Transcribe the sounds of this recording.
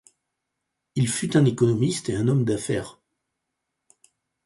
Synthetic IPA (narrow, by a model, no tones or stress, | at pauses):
ilfyt̪ɛ̃nekɔnɔmist̪eɛ̃nɔmd̪afɛ̰ːʁ